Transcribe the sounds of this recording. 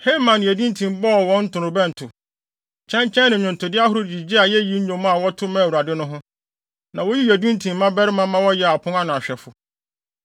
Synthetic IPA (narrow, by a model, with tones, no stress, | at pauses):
he˦mã˨nɪ̃˨æ˨dũ˦n˦tʰĩ˨mbɔ˦˨wɔ̃˦n̩˦tʰʊ˨nʊ̃˨bɛ̃˦n̩˨tʰʊ˨ | t͡ɕʰɛ̃˦ɲ˦t͡ɕʰɛ̃˦nɪ̃˨ʊ̃˨ntʰʊ˨dɪ˦a˦ɦʊ˦ɾʊ˦d͡ʑi˨d͡ʑi˦a˨jɛ˦ji˦ɲ̩˦ɲõ˨mʊ̃˦a˨wɔ˦tʰʊ˦mã˦˨u˨ɾa˨dɪ˦nʊ̃˦ɦʊ̃˦ | nã˨wo˦ji˦jæ˨dũ˦n˦tʰĩ˨mː˦ã˦bɛ˦ɾɪ˦mã˦mã˦wɔ˦jɛ˦a˨pʰʊ̃˦ŋa˦nʊ̃˨a˨ɕᶣɛ˨fʊ˨